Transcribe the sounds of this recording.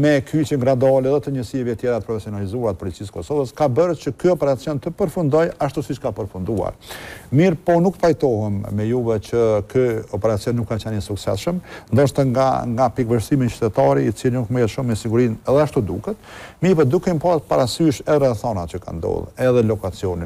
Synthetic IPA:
mɛkʰyt͡ʃɛnɡɾad̪ɔlɛðɛt̪əɲəsiɛvɛt̪jɛɾat̪əpɾɔfɛsiɔnalizuaɾt̪əpɔlit͡siskɔsɔvəskabəɾt͡ɕəkyɔpɛɾat͡sjɔnt̪əpəɾfund̪ɔjaʃt̪usit͡ʃkapəɾfund̪ua̰ɾmiɾpɔnukpajt̪ɔɦɛmːɛjuβɛt͡ɕəkyɔpɛɾat͡sijɔnːukːat͡ɕɛnəsuksɛ̰sʃəmnd̪ɔʃt̪aa̰ŋɡapikvəʃsimint͡ʃy̥t̪ɛt̪ɑɾiit͡silinukmɛjɛt̪ʃumːɛsiɡuɾinɛðɛaʃt̪ud̪ukɛt̪miɾpɔd̪ukɛmpɔt̪paɾasyʃɛðɛɾɛθɔnat͡ʃəka̰nd̪ɔ̰ðˠɛðɛlɔkat͡siɔni

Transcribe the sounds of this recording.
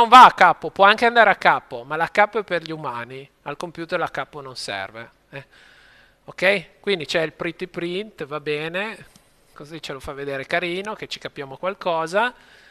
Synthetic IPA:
noɱvaːkːapːopwɔaŋkeand̪aːɾeakːapːomalakːapːoɛpːerʎiumaːni | alkompjuːt̪erlakːapːononsɛ̰rve | ɛ | okːɛjkwind̪it͡ʃɛilpɾit̪ipɾint̪vabɛːne | kozit͡ʃelofavːed̪eːɾekaɾiːnoket͡ʃi̥kapːjaːmokwalkɔːza

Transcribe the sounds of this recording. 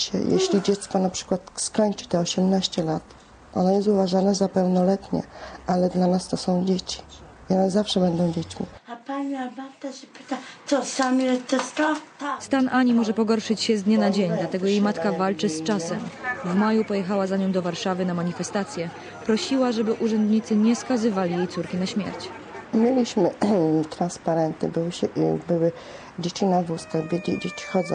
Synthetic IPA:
ɕɛ̰jḛɕlʲid͡ʑɛt̪skɔnapʂɘ̥kwat̪skɔɲt͡ʂɘ̥t̪ɛɔɕɛmnaɕt͡ɕɛlat̪ | ʔɔ̰nɔjɛs̬t̪uvaʐanɛzapɛwnɔlɛt̪ɲɛ̰ʔalɛd̪lanast̪ɔsɔ̃w̃d͡ʑet͡ɕi̥ | ɔnɛzafʂɛbɛnd̪ɔ̃w̃d͡ʑet͡ɕmʲḭapaɲiabat̪aʐɛpɪ̥t̪at̪ɔsamjɛt̪ɔst̪at̪ast̪anʔaɲimɔʐɛpɔɡɔɾʂɘt͡ɕɕɛzd̪ɲɛnad͡ʑeɲd̪lat̪ɛɡɔjejmat̪kavalt͡ʂɘst͡ʂasɛmvmajupɔjɛxawazaɲɔ̃m̃d̪ɔvaɾʂavɘnamaɲifɛst̪at̪sʲjɛ | pɾɔɕiwaʐɛbɘʔuʐɛnd̪ɲit̪sɘɲɛskazɘvalʲijejt̪suɾkʲinaɕmʲjɛ̰ɾt͡ɕ | mʲelʲiɕmɘt̪ɾanspaɾɛnt̪ɲɘ̰bɘwɘɕɛbɘwɘ | d͡ʑet͡ɕinavust̪aɣbʲeid͡ʑet͡ɕi̥xɔd̪zɔ̃

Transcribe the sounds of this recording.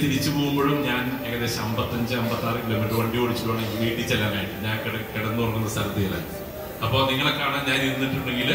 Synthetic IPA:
t̪iɾit͡ɕːɨpo̞ːɣumboːɻumɲaːn | eŋːɐðeɕɐmbɐt̪ːɐɲd͡ʑɨɐmbɐt̪ːaːrikilomiʈɨʋɐɳɖioːɽit͡ɕːuʈːuʋaːɳeŋɡilʋeːʈːit͡ɕːɐlːaːnaːjiʈːɨɲaːnkeɽkeɽɐnːɨpɐrɐkːunːɐsɐɾɐt̪ːɐjila̰ | ɐpːo̞ːniŋːɐɭekːaːɳaːnd͡ʑaːjijɐɾunːiʈːuɳɖe̞ŋɡil

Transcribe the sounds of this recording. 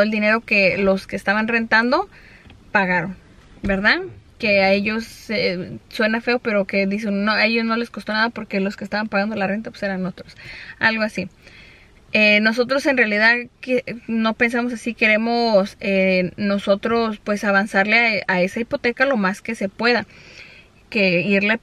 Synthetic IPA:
oeld̪ine̞ɾo̞ke̞lo̞ske̞ːst̪aβanre̞nt̪and̪o̞ | paɣaɾo̞n | be̞ɾðake̞ae̞ʝo̞seswe̞nafe̞ope̞ɾo̞ke̞ðis̬enːoe̞ʝo̞zno̞le̞skost̪o̞naðapo̞ɾke̞lo̞skest̪aβampaɣand̪o̞lare̞nt̪apwe̥se̞ɾano̞t̪ɾosa̰lɣo̞asi | eno̞s̬o̞t̪ɾo̞se̞nrealiðaðkino̞pe̞ns̬amo̞sasike̞ɾe̞mo̞seno̞so̞t̪ɾo̞spwe̞saβansaɾle̞aae̞saipo̞t̪e̞kalo̞maske̞se̞pweða | ke̞iɾle

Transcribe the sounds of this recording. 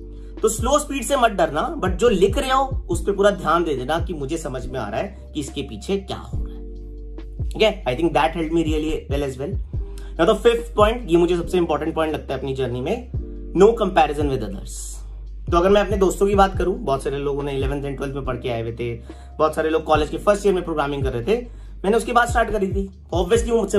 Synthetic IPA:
t̪oːsloːspiːɖsemɐt̪̚ɖɐɾnabɐʈ̚d͡ʒoːlɪkɾɐɦeɦõʊspẽpuːɾad̪ʱjaːnd̪eːd̪eːnakimʊd͡ʒʱesɐməd͡ʒʱmẽa̰ːɾaɦɛ | kiɪskepiːt͡ʃʰekja̰ːɦo̰ːɾaɦɛ | ɡɛaːɪt̪ʰɪ̃ŋk̚d̪æːʈɦɛlɖmiɾiːəliʋɛlɛːzʋɛl | jãd̪əfɪft̪ʰpɔ̃ːɪ̃ɳʈjemʊd͡ʒʱes̬ɐbseɪ̃mpɔːɾʈə̃ɳʈ̚pɔ̃ɪ̃ɳʈlɐk̚t̪aɦɛɐpnid͡ʒəːɾnimẽ | noːkɐ̃mpɛːɾɪzə̃nʋɪd̪ɐd̪ə̰ɾz̥ | t̪oːɐɡəɾmɛ̃ɐpned̪oːst̪õkibaːt̪̚kɐɾũbɔːt̪saːɾeloːɡʊ̃nẽɪlɛʋə̃nt̪ʰɛ̃ɳʈwɛːlʋmẽpɐɽkeaːeʋeːt̪ee | bɔːt̪saːɾeloːɡ̚kɔːleːd͡ʒkefɐɾsʈiəɾmẽpɾoːɡɾaːmɪ̃ŋkɐɾːɛɦt̪ʰe | mɛ̃ːneʊskebaːd̪sʈaːɾʈkɐɾit̪i | ɔːbʋiəsliʋõmʊd͡ʒse

